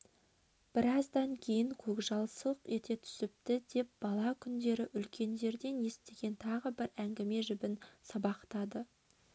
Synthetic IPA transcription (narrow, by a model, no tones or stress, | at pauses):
b̥ɪɾɑzd̪ɑŋkʲʰe̞jɪŋkʲʰɵkʒɑlˠsəlˠəqe̞t̪e̞t̪ʰʏ̥sɪp̚t̪ɪd̪e̞p̚b̥ɑlˠɑkʲʰʏnd̪e̞ɾɪʔʏlkʲʰe̞nd̪e̞ɾd̪e̞nje̞st̪e̞ɡʲe̞nt̪ʰɑʁəbɪɾæŋɡʲɪme̞ʒʏbɪnsɑbɑqt̪ɑd̪ə